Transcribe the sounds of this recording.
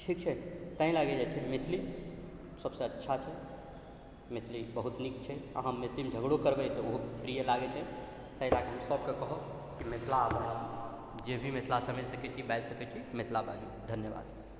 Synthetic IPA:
ʈʰikt͡ʃʰɛt̪ə̃ɦĩlaɡɛd͡ʒajt͡ʃʰɛmet̪ʰlis | səbsə̃ətːʃʰat͡ʃʰɛ | met̪ʰlibəɦut̪nikt͡ʃʰɛa̰ɦamːet̪ʰlimed͡ʒʱəɡɽokəɾbɛt̪ɔoɦopɾijəlaɡɛt͡ʃʰɛ | t̪əɦĩt̪akɦəmsəbkekəɦə | kimet̪ʰlabənali | d͡ʒebʱimet̪ʰlasəmed͡ʒsəkɛt͡ʃʰibɛd͡ʒsəkɛt͡ʃʰimet̪ʰlabad͡ʒud̪ʱənjəba̰ːd̪

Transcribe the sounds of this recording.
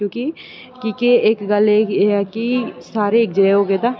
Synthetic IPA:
kjõːki | kiːkeeːkɡəlekisaːɾeeːk̚d͡ʒeeɦoːɡeːt̪aː

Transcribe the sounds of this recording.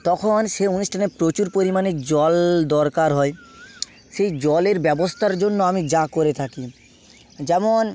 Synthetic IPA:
t̪ɔkʰonʃeuniʃʈʰanepɾot͡ɕuɾpoɾimaned͡ʑɔld̪ɔɾkaɾɦɔe | ʃejd͡ʑɔleɾbɛbost̪ʰaɾd͡ʑonːoamid͡ʑakoɾet̪ʰaki | d͡ʑɛmon

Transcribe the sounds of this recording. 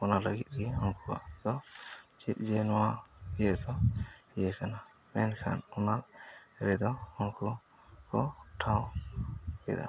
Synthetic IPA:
ɔnalaɡit̪̚ɡiɔnkʰua̰t̪ɔt͡ʃit̪̚ˀd͡ʒɛnɔwaijɛt̪ɔijɛkʰana | mɛnkʰa̰nɔnaɾɾɛd̪ɔɔnkʰɔ | kɔʈʰaw | kɛ̰d̪a̰

